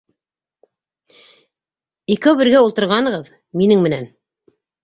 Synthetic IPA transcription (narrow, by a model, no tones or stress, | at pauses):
ikɘβɘ̆ɾɡæulˠt̪ɤ̆ɾʁɑnɤ̆ʁɤð | minɘŋmɘ̆næn